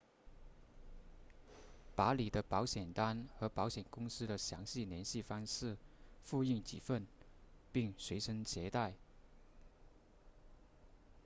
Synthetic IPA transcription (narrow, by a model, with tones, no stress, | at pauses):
pa˧˥li˨˩d̪ə˦pɑ˧˥ʊɕjɛ˨˩nt̪a˥nxɤ˧˥pɑ˧˥ʊɕjɛ˨˩nkʊ˥ŋsɹ̩˥d̪ə˨ɕjɑ˧˥ŋɕi˥˩njɛ˧˥nɕi˥˩fɑ˥ŋʂɻ̩˥˩fu˥˧i˥˩ŋt͡ɕḭ˨˩fə˥˧npi˥˩ŋʂwe˧˥ɪʂə˥ŋt͡ɕʰjɛ˧˥t̪a˥˩ɪ